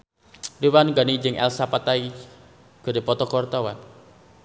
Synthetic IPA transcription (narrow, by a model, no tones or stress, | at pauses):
riwanɡanid͡ʒɪŋʔɛ̰lsapat̪ai | ɡ̥ə̤ɾepɔt̪ɔkɔrt̪ɔwan